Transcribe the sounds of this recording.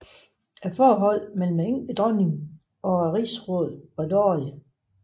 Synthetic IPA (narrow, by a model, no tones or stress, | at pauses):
æfɒːɦɒ̽l̰mel̰m̩e̥ed̥ʁɒniŋ | ɒ̽æʁiːsʁɔːðˠɑdɒ̰ːlə